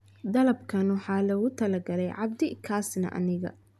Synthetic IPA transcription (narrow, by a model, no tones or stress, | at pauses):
d̪ɐlɐbkʰɐnwɑħɑːlɐɣʊt̪ʰɐlɐɡɐlɛjʕɑb̚d̪ɪkʰaːsnɐ̰ʔɐ̰nɪɣɐ̰